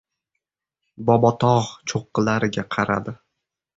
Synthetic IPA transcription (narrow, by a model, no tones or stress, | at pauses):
bɒbɒt̪ʰɒʁt͡ʃʰoqːɨlaɾɪɡʲaqʰɑɾa̰d̪ɪ